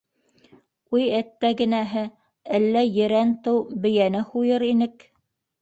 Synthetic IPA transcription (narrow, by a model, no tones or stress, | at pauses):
ujæt̪ːæɡɘ̆næɦɘ | ælːæjɘ̆ɾænt̪ɤwbɘ̆jænɘhujɤɾinɘk